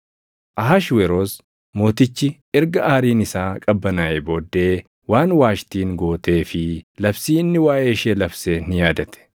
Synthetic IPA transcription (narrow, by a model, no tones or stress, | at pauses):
ʔɐɦaʃwɛɾoːs | mo̞ːt̪ɪt͡ʃːɪ | ɛɾɡɐaːɾiːnɪsaːkʼɐbːɐnaːʔebo̞ːd̪ːe̞ː | waːnwaːʃt̪iːŋɡo̞ːt̪e̞ːfɪlɐfsiːɪnːɪwaːʔeːɪʃeːlɐbseːnɪjaːd̪ɐt̪ɛ̥